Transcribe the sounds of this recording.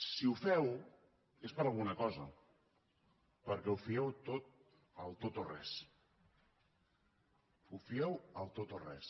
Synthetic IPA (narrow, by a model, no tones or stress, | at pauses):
siufɛw | espəɾalˠɣunəkɔzə | pəɾkɛufiɛwt̪ot̪̚ | əlˠt̪ot̪orɛs | ufiɛwəlˠt̪ot̪orɛ̰s